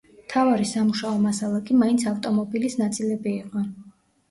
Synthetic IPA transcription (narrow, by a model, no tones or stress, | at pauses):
mt̪ʰavaɾisamuʃaɔmasalˠakʼimaint̪sʰaft̪ʼɔmɔbilisnat̪sʼilɛbiːqʼɔ